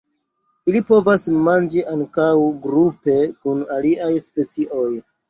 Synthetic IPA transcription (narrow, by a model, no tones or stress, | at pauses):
ilipo̞vasmand͡ʒiʔaŋkawɡɾupe̞kunaliajspe̞t͡siʔo̞j